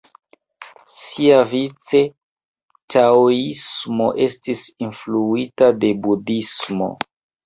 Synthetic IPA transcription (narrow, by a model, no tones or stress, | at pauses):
siavit͡se̞ | taoismo̞ʔe̞stisinfluitade̞budismo̞̰